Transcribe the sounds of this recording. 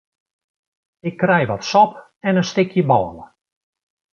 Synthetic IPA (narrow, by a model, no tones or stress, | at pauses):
ɪkːrɛjʋɔtsɔp | ɛnənstɪkʰjəbɔːlə̰